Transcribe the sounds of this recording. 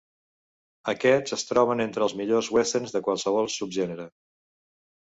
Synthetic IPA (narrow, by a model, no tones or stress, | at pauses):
əkɛzəst̪ɾɔβ̞ənent̪ɾəːlˠzmiʎozwɛsənzðəkwalˠsəβ̞ɔlˠsub̚ʒɛnəɾə